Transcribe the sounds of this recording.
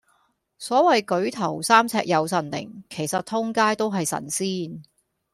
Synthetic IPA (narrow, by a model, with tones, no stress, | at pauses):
sɔː˨˥wɐ˨jkɵ˨˥ɥt̪ʰɐ˨˩wsaː˥mt͡sʰɛ̰ː˧k̚jɐ˨˧wsɐ˨nlɪ̰˨˩ŋkʰe˨˩jsɐ˨t̪ʰʊ˥ŋkaː˥jt̪o˥wɦɐ˨jsɐ̰˨˩nsiː˥n